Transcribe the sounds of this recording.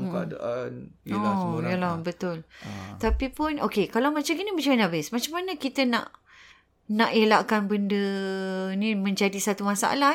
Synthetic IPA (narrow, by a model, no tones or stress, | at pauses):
da̰ʔanojjəlabət̪ʊlt̪apipʊnokekalamat͡ʃaɡinəmat͡ʃamanabɪsmat͡ʃamːanəkit̪ənã̰ʔ | nãʔelakanbəndə | nĩmə̃ɲd͡ʒadisat̪umasa̰ʔa̰la